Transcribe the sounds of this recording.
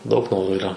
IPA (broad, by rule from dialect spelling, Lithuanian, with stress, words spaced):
ˈdɐʊk ˈnoːruː iːˈrɐ